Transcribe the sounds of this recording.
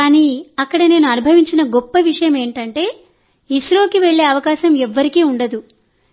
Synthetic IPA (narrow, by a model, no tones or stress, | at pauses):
aːniːɐkːɐɽɐne̞ːnuɐnubʱɐʋiɲt͡ʃinɐɡɔpːɐʋiʂɐjɐme̞ːɳʈɐɳʈe̞ː | isɾo̞ːkiʋe̞ɭːe̞ːɐʋɐkaːʃɐmɛʋːɐɾikiːuɳɖɐd̪u